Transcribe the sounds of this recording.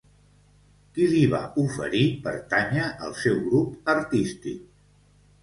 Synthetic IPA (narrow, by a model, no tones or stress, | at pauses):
kiliβa̰ufə̰ɾipə̰ɾt̪aɲəʔəlˠsɛwɣɾupəɾt̪ist̪ḭk̚